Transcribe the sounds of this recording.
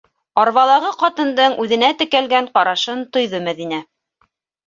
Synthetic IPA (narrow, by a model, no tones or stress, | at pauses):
ɑɾβɑlˠɑʁɤqɑt̪ɤ̆nd̪ɤɴʉðɘ̆næt̪ɘ̆kælɡæɴqɑɾɑʃɤnt̪ŏjðɤmæðinæ